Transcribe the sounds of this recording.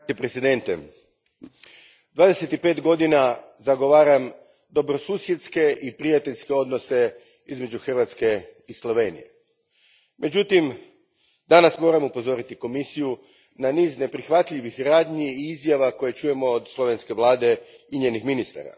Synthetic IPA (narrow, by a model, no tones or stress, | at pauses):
tipɾesid̪e̞nt̪ḛ | d̪ʋaːd̪e̞se̞t̪ipe̞ːt̪ɡo̞d̪inazaɡo̞ʋaːɾam | d̪o̞bɾo̞suːsjet̪ske̞ʔipɾijat̪eʎʲske̞o̞d̪no̞se̞ | izme̞d͡ʒuxr̩ʋat̪ske̞islˠo̞ʋe̞nḭje̞̰ | mʔe̞d͡ʒut̪im | d̪anasmo̞ːɾamupo̞zo̞ɾit̪iko̞misiju | naniːzne̞pɾixʋat̪ʎʲiʋixɾaːd̪ɲiːizjaʋako̞je̞t͡ʃuje̞mo̞ːd̪slˠo̞ʋe̞nske̞ʋlˠaːd̪e̞iɲeːnixminist̪a̰ɾa̰